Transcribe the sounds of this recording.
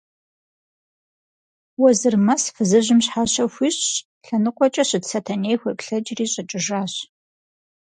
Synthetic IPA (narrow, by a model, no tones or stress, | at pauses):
wɔzɨrmɐsfɨzɨʑɪmɕħaɕɐxʷiɕɕ | ɬɐnɨqʷʼɔt͡ʃʼɐɕɪdsɐtʰɐnejxʷɐpɬɐd͡ʒriːɕʼɐt͡ʃʼɪʒaːɕ